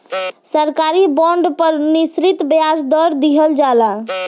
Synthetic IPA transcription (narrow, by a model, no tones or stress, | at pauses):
səɾkaɾibɔ̃ɳɖpəɾnisɾit̪bjasd̪ɔɾd̪iɦəld͡ʒala